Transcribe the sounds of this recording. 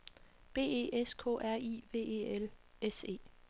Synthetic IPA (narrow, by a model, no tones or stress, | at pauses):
b̥e̝̰ːe̝̰ːʔeskʰɔ̰ʔæɐ̰iːʋe̝̰ːe̝ːelese̝̰ː